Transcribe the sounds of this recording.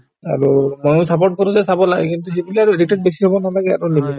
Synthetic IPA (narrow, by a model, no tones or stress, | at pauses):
a̰ɹumojsapɔt̚kɔɾũzɛsabɔlaɡɛ̰kint̪uɦebilɛaɹuditɛt̚besiɦɔbɔnalaɡɛa̰ɹulimina